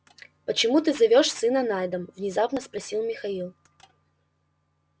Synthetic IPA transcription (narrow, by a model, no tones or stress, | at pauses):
pət͡ɕɪmut̪ɨzɐvʲoʂsɨnɐnajd̪əmvnʲɪzapnəspɾɐsʲilˠmʲɪxɐilˠ